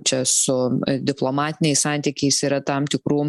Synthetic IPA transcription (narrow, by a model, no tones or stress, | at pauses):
t͡ʃʲɛsʊd̪ʲɪplˠomɑːt̪ʲɪnʲɛɪssɑːˑnʲt̪ʲiːkʲɛɪsiːɾɐt̪ɐmt̪ʲɪkɾuː